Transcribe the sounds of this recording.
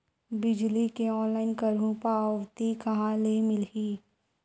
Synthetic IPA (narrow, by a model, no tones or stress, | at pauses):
bɪd͡ʒlikeɔːnlaːɪnkɐɾũpaʋt̪ikɐɦãlemɪliː